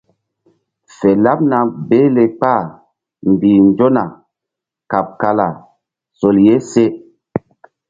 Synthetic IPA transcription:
fɛ˨la˦p̚na˨be˦le˨k͡pa˦˨ | m˨biː˨nd͡ʒo˦na˨ | ka˨p̚ka˨la˨ | so˨lje˦se˦

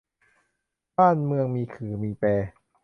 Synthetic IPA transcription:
baː˥˩nmɯ˧əŋmiː˧kʰɯː˩˦miː˧pɛː˧

